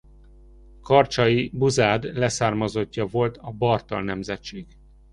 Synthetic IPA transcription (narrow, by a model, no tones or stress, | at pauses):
kɒrt͡ʃɒjibuzaːd̪lɛsaːrmɒzo̞cːɒvo̞lt̪ɒbɒrt̪ɒ̰lnɛmzɛtt͡ʃːeːɡ